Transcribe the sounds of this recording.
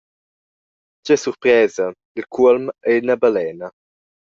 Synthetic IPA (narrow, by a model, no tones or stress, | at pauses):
d͡ʒɛsuɾpɾɛːza | ilkʰuəlmɛnabalɛːna